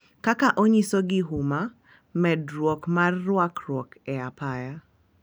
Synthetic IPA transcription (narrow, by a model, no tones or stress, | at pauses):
kakaʔoɲisoɡɪɦuma | mɛdɾwɔkmarːwakɾwɔkɛapaja